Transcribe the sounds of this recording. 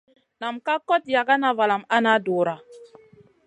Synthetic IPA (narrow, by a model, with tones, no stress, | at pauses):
na˨mka˦kɔ˦t̚ja˨ɡa˦na˨va˨la˨ma˦na˦duː˨ɾa˨